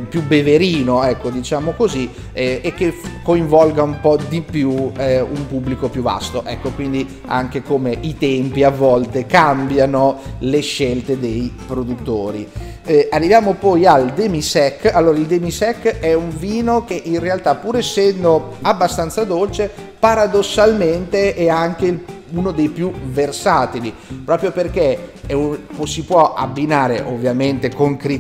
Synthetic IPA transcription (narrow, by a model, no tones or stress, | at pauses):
pjubeveɾiːnoɛkːod̪it͡ʃaːmokozi | ɛek̟ːekːoiɱvɔlɡaumpɔd̪ipjuɛumpubːlikopjuva̰st̪oʔɛkːokwind̪i | a̰ŋk̟ekomeit̪ɛmpiavːɔlt̪ekambjanoleʃːɛlt̪ed̪ejpɾod̪ut̪ːoːɾḭ | arːivjaːmopɔjald̪emisɛkːalːoːɾaild̪emisɛkːɛuɱviːnok̟eʔinrealt̪apːuːɾɛsːɛnd̪o | abːast̪ant̪sad̪olt͡ʃe | paɾad̪osːalment̪eɛaŋk̟el | unod̪ejpjuversaːt̪ilipɾɔːpɾjoperk̟eɛupsipwɔʔa̰bːinaːɾeʔovːjament̪ekoŋkɾi